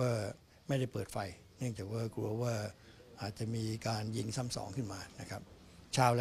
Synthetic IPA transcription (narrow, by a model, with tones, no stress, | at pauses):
aː˥˩ | ma˥˩jda˥˩jpɤː˨˩t̚fa˧j | nɯ˥˩əŋt͡ɕaː˨˩k̚waː˥˩kɾu˧ɐwaː˥˩ʔaː˨˩t̪̚t͡ɕa˨˩ʔmiː˧kaː˧nji˧ŋsa˥˩msɔ̰ː˩˦ŋkʰɯ˥˩nmaː˧na˦˥kʰɾa˦˥p̚ | t͡ɕʰaː˧wl